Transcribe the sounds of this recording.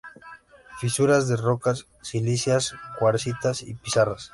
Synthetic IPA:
fisuɾazðerokasː | ilisjaskwaɾsit̪asḭpisaras

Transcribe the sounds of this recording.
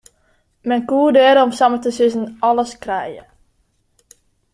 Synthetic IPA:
mɛnkuːədɛːɾəɔmsamətəsɪzənɔləskrɛjə̰

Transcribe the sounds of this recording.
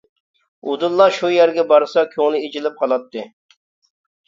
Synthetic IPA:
ud̪ulˠːɑʃujæɾɡʲɛbɑɾsɑkʲʰoŋnɪed͡ʒilɪp̚hɑlˠɑt̪ʰːɨ

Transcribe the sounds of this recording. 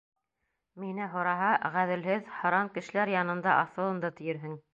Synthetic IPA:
minɘɦŏɾɑɦɑʁæðɘ̆lɦɘðhɑ̆ɾɑŋkɘ̆ʃɘ̆læɾjɑnɤ̆nd̪ɑʔɑθɤ̆lˠɤ̆nd̪ɤt̪ɘ̆jɘ̆ɾɦɘŋ

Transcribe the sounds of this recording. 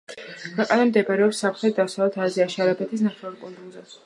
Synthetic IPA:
kʰwɛqʼanamd̪ɛbaɾɛɔpsapʰt̪χɾɛd̪asalɛt̪ʰaziaʃaɾabɛt̪ʰis̬naχɛvaɾpʼɔnd̪ʼunzɛs

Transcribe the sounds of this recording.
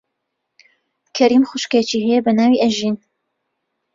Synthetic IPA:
kʰɐɾiːmxʊʃkɐt͡ʃiːɦɛjɛbɐnaːwiʔɐʒin

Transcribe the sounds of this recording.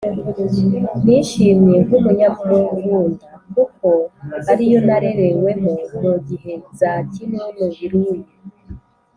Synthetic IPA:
niːʃiːmɲe̞kumuɲamuɾoɡuːndikuko̞aɾijo̞naɾe̞ɾewe̞monuɡihe̞zacinomuiɾuːndi

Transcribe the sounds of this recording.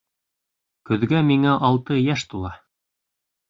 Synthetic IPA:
kɵ̆ðɡæmiŋæʔɑlˠt̪ɤjæʃt̪ulˠɑ

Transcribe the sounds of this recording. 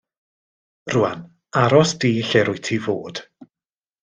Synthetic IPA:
rʊa̰n | aɾɔsd̥iːɬeɾʊjtʰivo̰ːd̥

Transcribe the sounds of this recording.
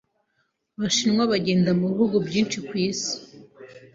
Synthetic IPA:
βaʃinŋwaβaɟe̞ːndamuβihuɡubɟiːnt͡ʃikwiːsi̥

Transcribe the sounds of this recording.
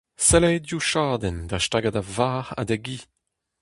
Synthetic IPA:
sɛlɛjdjuʃaːdɛnd̪aʃtaɡadavaːʁa̰d̪ɛɡiː

